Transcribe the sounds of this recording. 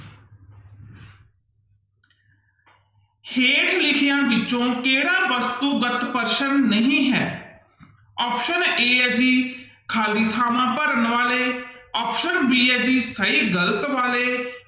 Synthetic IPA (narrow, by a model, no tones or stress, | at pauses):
heːʈlɪkʰɪjãːʋɪt͡ʃõːkeːɽãːʋəst̪uːɡət̪pəɾʃənːəɦĩːɦɛ̰ː | ɔːpʃəneːɛd͡ʒiːkʰaːliːt̪ʰaːmãːpəɾənʋaːleːɔːpʃənʋiːɛːd͡ʒiːsəiːɡələt̪ʋaːleː